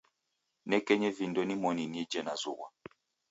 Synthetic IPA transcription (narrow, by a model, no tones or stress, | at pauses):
nɛkɛɲɛvindɔnimɔninɛd͡ʒɛnazuwa